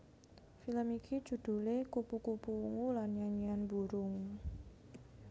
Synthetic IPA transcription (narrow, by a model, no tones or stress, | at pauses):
filəmikʰi̥d͡ʒ̥ṳd̪̥ṳlekupukupuuŋulanɲaɲianbuɾʊŋ